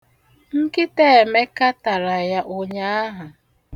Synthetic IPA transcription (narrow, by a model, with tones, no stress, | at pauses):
ŋ̩˦kɪ˦te˦e˨me˦ka˦ta˨ɾa˨ja˦ʔo˦ɲa˦a˦ɦa˨